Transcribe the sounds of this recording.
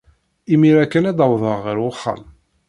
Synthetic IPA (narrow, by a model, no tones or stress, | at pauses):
imiɾækːənæd̪əwðˤəʁːəɾχːa̰m